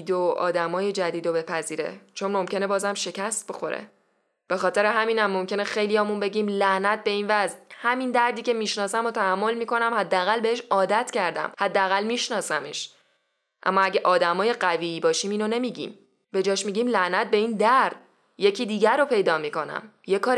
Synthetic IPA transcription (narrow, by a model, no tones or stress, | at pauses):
d̪oɒ̰ːd̪æmɒːjed͡ʒæd̪iːd̪obe̞pʰæziːɾe̞̰t͡ʃʰo̞nmo̞mcʲʰe̞ne̞bɒːzæmʃe̞cʰæst̪̚bexo̞̰ɾḛ | b̥e̞xɒːt̪e̞ɾeɦæmiːnæmːo̞mcʲʰe̞nexejlijɒːmunbe̞ɟiːmlæhnæt̪̚be̞iːnvæzhæmind̪æɾd̪iːcʰe̞miːʃnɒːsæmot̪ʰæhæmːo̞lmiːko̞næmhæd̪ːeæɣælbe̞eʃɒːd̪æt̪ʰcʰæɾd̪æ̰mhæd̪ːeæɣælmiːʃnɒːsæmeʃ | ʔæ̰mːɒæɟʲeʔɒːd̪æmɒːje̞ɢæviːiːbɒːʃiːmiːnone̞miːɟḭːm | be̞d͡ʒɒːʃmiːɟiːmlæhnæt̪̚be̞iːnd̪æɾɾd̪̥ | je̞cʰiːd̪iːɟæɾopʰe̞jd̪ɒːmiːko̞næ̰m | jekʰɒːɾ